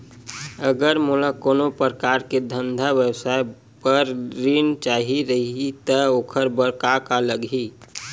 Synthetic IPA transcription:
əɡəɾmulakoːnopəɾəkaːɾked̪ʱə̃nd̪ʱaʋjəwsaːe | pəɾɾiːnt͡ʃaːɦiɾəɦit̪əoːkʰəɾbəɾkakaləɡɦi

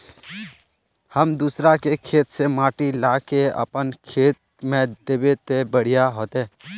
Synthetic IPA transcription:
həmd̪usɾakekʰeːt̪semaːʈilaːkeə̰pənkʰeːt̪̚mẽd̪eːbet̪ebəɽ̤ɪjaɦoːt̪eː

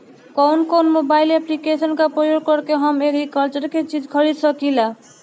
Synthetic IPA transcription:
kɔwnkonmobajleplikesʌnkapɾɔjoɡ̚kʌɾkeɦʌmeɾikʌlt͡ʃʌɾket͡ʃid͡ʒkʰʌɾid̪sʌkila

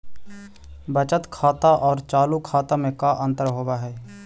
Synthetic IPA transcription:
bət͡ʃət̪kʰaːt̪aʔɔːɾt͡ʃaːlukʰaːt̪amẽkaʔə̃nt̪əɾɦoːbaɦɛː

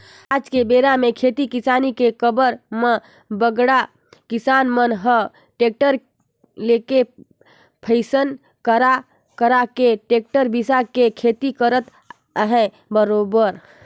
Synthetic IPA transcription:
ad͡ʒkebeɾamekʰet̪ikisanikekəbəɾmə̃ | bəɡɽa | kisanmənɦə | ʈek̚ʈəɾ | leke | pʰəɪsən | kəɾa | kəɾakeʈek̚ʈəɾbʱisakekʰet̪ikəɾət̪ | əɦɛ̃ | bəɾobəɾ

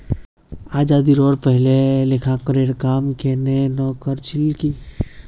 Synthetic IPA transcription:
aːd͡ʒaːd̪iɾɔːɾpəɦlelekʰãkəɾeɾkaːmkenenɔːkəɾt͡ʃʰɪlki

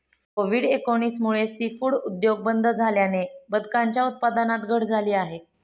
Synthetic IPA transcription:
koʋiːɽekonismuɭest̪iːfuɭud̪joɡ̚bənd̪ʱəd͡zʱaljanebəd̪kaɲt͡ɕjaut̪̚pad̪anat̪ɡʱəɽd͡zʱaliːaɦe

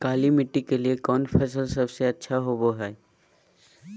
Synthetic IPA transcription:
kaːlimɪʈːikeliekɔːnfʰɛːs̬əlsɐbseɐtːʃʰaɦoːboɦɛː

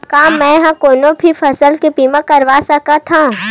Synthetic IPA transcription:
kaːmːɛ̃ɦãkoːnõbʱifʰɐsəlkepiːmãkɐɾʋasɐkat̪ʰãː

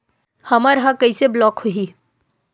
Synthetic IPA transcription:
hɐməɾɦakəiseblɔːkhuɦi

